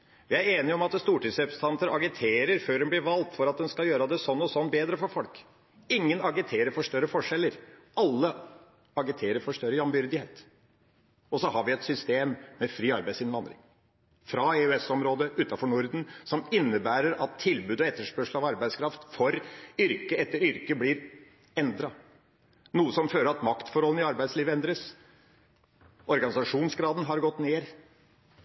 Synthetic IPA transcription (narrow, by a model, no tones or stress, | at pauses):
ʋɪæɾeːnɪəɔmɑt̪st̪uːʈɪsɛpst̪ʰɑnt̪əɾɑɡɪt̪ʰeːɾəɾføːɾhɛnblɪʋɑlt̪fɔɾɑt̪̚d̪ɛnskɑjøːɾɑd̪ɛsɔnːɔsɔnːbeːd̪ɾəfɔɾfɔlk | ɪŋːənɑɡɪt̪ʰeːɾəɾfɔʂt̪œɾːəfɔʂɛlːəɾʔɑlːə | ɑɡɪt̪ʰeːɾəɾfɔʂt̪œɾəjɑmbʏɾd̪ɪheːt̪ | ɔsɔhɑɾʋɪɛt̪sʏst̪eːmːɛfɾiːɑɾbæɪsɪnʋɑnd̪ɾɪ̰ŋ | fɾɑɛʉɛsɔmɾoːd̪əʔʉːt̪ɑfɔɳʊɾd̪n̩sɔmɪnːəbæːɾəɾɑt̪ʰːɪlbʉːd̪ɔɛt̪ːəʂpœʂl̩ɑʋɑɾbæɪskʰɾɑft̪fɔɾʏɾkəɛt̪ːəɾʏɾkəblɪɾ | ɛnd̪ɾɑ | nuːəsɔmføːləɾɑt̪mɑkt̪fɔɾhɔlən̩ɪɑɾbæɪd̪sliːʋəɛnd̪ɾəs | ʔɔɾɡɑnɪsɑʂuːnsɡɾɑːd̪n̩ɦɑɾɡɔt̪ːneːɾ